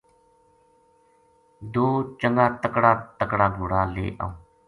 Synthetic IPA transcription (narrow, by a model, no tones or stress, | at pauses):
d̪oːt͡ʃəŋɡaːt̪əkɽaːt̪əkɽaːɡʱoːɽaːlḛːʔa̰ːõː